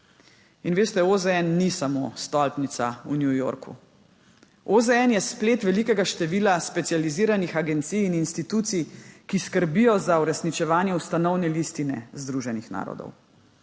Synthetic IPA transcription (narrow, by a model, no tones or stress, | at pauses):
inʋeːst̪ɛozɛɛnːisamost̪ɔlpnit̪saunjujo̰ɾkṵ | ozɛɛnjɛspleːt̪ʋɛlikɛɡaʃt̪ɛʋiːlaspɛt̪sijaliziːɾanixaɡɛnt̪sijːninst̪it̪uːt̪sijkiskəɾbijɔzauɾɛsnit͡ʃɛʋaːnjɛust̪anɔwnɛlist̪inɛ̰zd̪ɾuʒɛnixna̰ːɾɔ̰d̪ɔ̰w